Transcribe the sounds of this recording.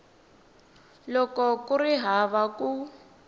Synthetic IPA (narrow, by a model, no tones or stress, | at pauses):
lɔkɔkuriɦaβaku